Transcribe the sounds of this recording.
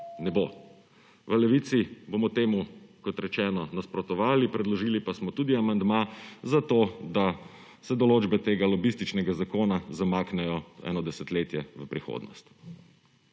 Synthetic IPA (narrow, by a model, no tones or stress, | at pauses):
nɛbo | ʋəlɛʋiːt̪sibomɔt̪eːmukɔt̪ɾɛt͡ʃɛːnɔnaspɾɔt̪ɔʋaːlipɾɛd̪lɔʒiːlipasmɔt̪uːd̪iamand̪mazat̪oːd̪a | sɛd̪ɔloːd͡ʒbɛt̪eːɡalɔbist̪it͡ʃnɛɡazakoːnazamaːknɛjɔɛ̰ːnɔd̪ɛsɛt̪leːt̪jɛʋəpɾixo̰d̪nɔ̰st̪